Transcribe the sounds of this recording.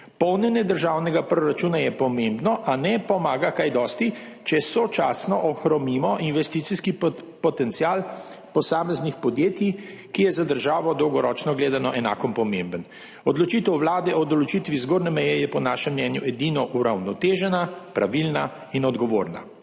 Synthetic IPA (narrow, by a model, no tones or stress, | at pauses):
pɔwnjɛnjɛd̪əɾʒaːwnɛɡapɾoɾat͡ʃuːnajɛpɔmẽmbnɔʔanɛpɔmaːɡakajd̪ɔst̪it͡ʃɛsɔt͡ʃaːsnɔʔɔxɾɔmimɔʔinʋɛst̪iːt̪siskipɔt̪ɛnt̪siaːlpɔsaːmɛznixpɔd̪jeːt̪i | kijɛzad̪əɾʒaːʋɔd̪ɔwɡɔɾɔːt͡ʃnɔɡleːd̪anɔʔɛna̰ːkɔmpɔmẽmbən | ɔd̪lɔt͡ʃiːt̪əwʋlaːd̪ɛɔd̪ɔlɔt͡ʃiːt̪ʋizɡoːɾnɛmɛjɛjɛpɔnaːʃɛmːnɛːnjuɛd̪inɔʔuɾawnɔt̪eːʒɛnapɾʔaʋilna | inɔd̪ɡɔʋoːɾna̰